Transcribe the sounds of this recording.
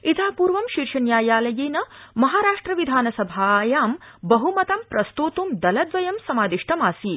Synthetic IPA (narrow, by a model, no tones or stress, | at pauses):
it̪ʰaːpuːɾʋɐmʃiɾʂɐnjaːjaːlɐjeːnɐmɐɦaːɾaːʂʈɾɐʋid̪ʱaːnɐsɐbʱaːjaːmbɐɦumɐt̪ɐmpɾɐst̪uːt̪umd̪ɐlɐd̪ʋɐjɐmsɐmaːd̪iʂʈʰɐmaːsiː